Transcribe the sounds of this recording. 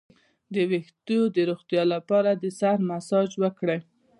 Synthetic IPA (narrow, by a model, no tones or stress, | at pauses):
d̪əwext̪od̪əɾoɣt̪jɑlapɑɾad̪əsaɾmasɑd͡ʒwəkɽe